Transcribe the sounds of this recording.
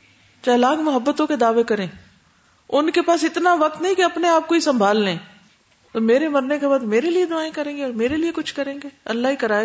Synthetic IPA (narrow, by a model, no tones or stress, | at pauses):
t͡ʃaːlaːɡmʊɦəbːət̪õked̪aːʋekɐɾẽː | ʊnkepaːsɪt̪naʋɐk̚t̪nɐɦĩkiɐpneaːp̚koisɐ̃mbʱaːlːẽː | t̪oːmeːɾemɐɾnekebaːd̪meːɾelied̪ʊaːẽkɐɾẽːɡeɔːɾmeːɾeliekʊt͡ʃʰkɐɾẽːŋɡeːɐ̰lːaɦikɐɾaː